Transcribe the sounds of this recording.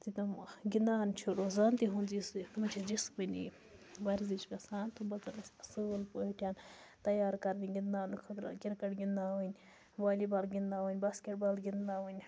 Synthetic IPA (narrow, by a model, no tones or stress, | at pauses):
t̪it̪ɐmɡind̪aːnt͡ʃʰuɽozaːnt̪iɦunzismɐt͡ʃʰid͡ʒisbɨnḭ | ʋɐɾzit͡ʃkɐsaːnt̪ubɐt̪ɐlɐsɐsuːlpoɦiʈʲjaːnt̪ɐjaːɾkɐɾniɡind̪aːnɨkʰɐt̪ɾɐ̰kʲiɾkɐʈɡind̪aːʋɨnʲ | ʋaːlibaːlɡʲind̪aːʋɨnʲbaːskʲeʈ̚baːlɡʲind̪aːʋɨnʲ